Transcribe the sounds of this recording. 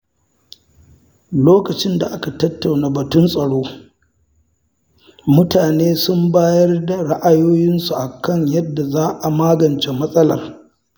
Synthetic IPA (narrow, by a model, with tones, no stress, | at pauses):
loː˦kɐ˨t͡ʃɪ˦nda˨ʔa˦ka˨tɐ˦tːa˨wnaː˨bɐ˨tʊ˦nsʼɐ˨ɽoː˦ | mʊ˦taː˨neː˦sʊ˦mbaː˦jɐ˦rda˨ɽa˦ʔa˦joː˦jɪ˦nsu˨ʔa˨kɐ˦˨ɲjɐ˦dːa˨zaː˦ʔa˨maː˦ɡɐ˨nt͡ʃe˨mɐ˦sʼɐ˦lɐ̰˨r